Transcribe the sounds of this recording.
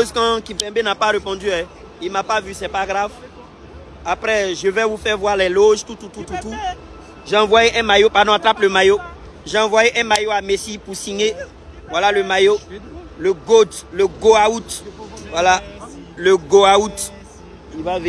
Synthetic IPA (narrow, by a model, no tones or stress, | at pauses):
ʃozkãkifɛ̃benapaʁepɔ̃d̪yɛ | ilmapavysɛpaɡʁav | apɾɛʒəvɛvufɛʁvwaʁlɛloʒt̪ut̪ut̪ut̪ut̪u | ʒeɑ̃vwajeʔɛ̃majopaʁd̪ɔ̃at̪ɾʁaplømajo | ʒeɑ̃vwajeʔɛ̃majoamesipusiɲe | vwalaləmajo | ləɡot̪ləɡoaut̪vwalaləɡoaut̪